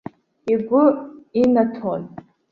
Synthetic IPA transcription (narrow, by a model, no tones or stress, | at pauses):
iɡʷʊinatʰon